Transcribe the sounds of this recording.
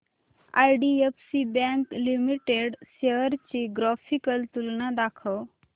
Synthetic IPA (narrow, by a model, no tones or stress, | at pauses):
a̰jɖiepsibɛ̃ŋklimiʈeɖseəɾt͡ɕiɡɾafʰikəlt̪ulnãd̪akʰə